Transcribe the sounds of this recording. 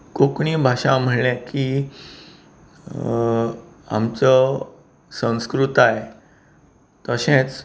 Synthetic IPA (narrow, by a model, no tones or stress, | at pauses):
kokɳiːbʱaɕãm̤əɳɳjãki | a̰mt͡sɔ | sə̃w̃skɾut̪ae | t̪əɕẽt͡s